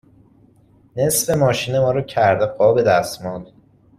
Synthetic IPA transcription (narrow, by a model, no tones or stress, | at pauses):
ne̞sfe̞mɒːʃiːne̞mɒːɾɒːcʰæɾd̪epʰɒːbe̞d̪æst̪mɔnd̪